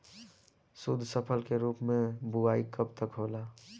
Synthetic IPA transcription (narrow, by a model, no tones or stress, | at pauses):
sud̪ʱsəpʰəlkeɾuːpmẽbuaːikəp̚t̪əkɦoːlaː